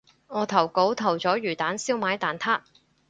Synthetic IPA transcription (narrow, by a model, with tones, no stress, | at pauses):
ŋɔː˨˧t̪ʰɐ˨˩wko˨˥wt̪ʰɐ˨˩wt͡sɔː˨˥ɥyː˨˩t̪aː˨˥nsiː˥wmaː˨˥jt̪aː˨˩nt̪ʰaː˥t̚